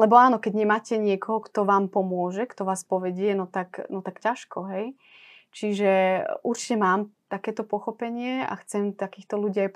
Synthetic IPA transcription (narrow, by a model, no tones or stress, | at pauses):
lɛbɔaːnɔkɛɟɲɛmaːcɛɲɪɛkɔɦɔkt̪ɔʋaːmpɔmʊɔʒɛkt̪ɔʋaːspɔʋɛɟɪɛnɔt̪aknɔt̪akcaʃkɔɦɛj | t͡ʃiʒɛʔuɾt͡ʃi̥cɛmaːmt̪akɛːt̪ɔpɔxɔpɛɲɪɛa̰xt͡sɛmt̪akiːxt̪ɔluɟiːaj